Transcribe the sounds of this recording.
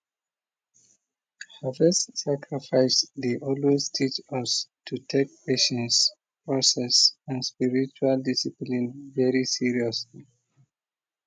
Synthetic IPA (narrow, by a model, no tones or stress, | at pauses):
havɛssakɹifaɪsðiʔɔlweztʰit͡ʃʌstʰutʰek̚peʃə̃ns | pɹɔsɛsãnspiɹit͡ʃualdisiplĩnvɛɹisiɹiɔsli